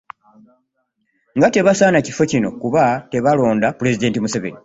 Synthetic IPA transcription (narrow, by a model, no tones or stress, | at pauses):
ŋɡate̞βasaːnacifo̞cino̞kuβate̞βalo̞ːndapule̞zide̞ːntimusaβḛni